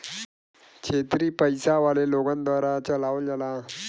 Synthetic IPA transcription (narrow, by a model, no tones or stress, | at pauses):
kɕʰet̪ɾiːpəjsaʋaleloɡãnd̪ʋaɾat͡ɕəlaʋəld͡zala